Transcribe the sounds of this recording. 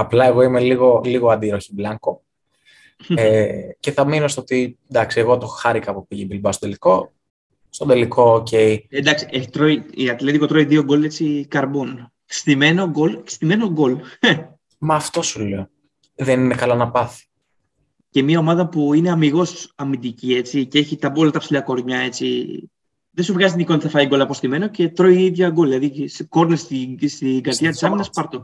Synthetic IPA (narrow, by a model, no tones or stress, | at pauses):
ɐplɐe̞ɣo̞imeliɣo̞liɣoɐnd̪iɾoçiblɐŋko̞ | ece̞θɐmino̞st̪oot̪ind̪ɐksieɣo̞t̪oxɐɾikɐpupiʝebilbɐst̪od̪eliko̞ | st̪o̞d̪elikʰo̞ːce̞ied̪ɐksi̥et̪ɾoiiɐt̪let̪ikot̪ɾoiðioɡo̞let͡sikɐɾbon | st̪imenoɡolst̪ime̞noɡol | mɐːft̪o̞suleo | ðeninekɐlɐnɐpɐθi̥ | ce̞miɐo̞mɐðɐpuine̞ɐmiɣo̞sɐmid̪icie̞t͡sicee̞çit̪ɐbolɐt̪ɐpsilɐko̞ɾɲɐe̞t͡sḭ | ðesuvɣɐzit̪iniko̞nɐt̪iθɐfɐiɡo̞lɐpo̞st̪ime̞no̞ce̞t̪ɾo̞iiðʝɐɡo̞lilɐðisko̞ɾnesist̪iɡɐɾðʝɐt̪i̥sɐminɐspɐɾt̪o